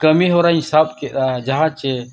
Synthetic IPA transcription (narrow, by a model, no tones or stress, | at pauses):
kəmiɦoːɾaĩsaːbkeɾad͡ʒɐɦãːt͡ʃe